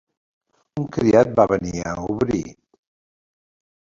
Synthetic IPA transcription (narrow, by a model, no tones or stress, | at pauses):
uŋkɾiat̪̚baβəniə̰uβɾi